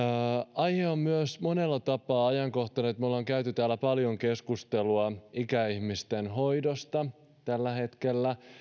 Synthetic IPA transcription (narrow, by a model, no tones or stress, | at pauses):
ɑjheommyøsmo̞ne̞lːɑt̪ɑpːˑɑːɑjɑŋko̞ht̪ɑneːt̪mulːoŋkæyt̪yt̪æːlːæpɑljo̞ŋke̞skust̪e̞luɑikæiçmist̪enɦo̞jdost̪ɑ | t̪ælːæhe̞t̪ke̞lːæ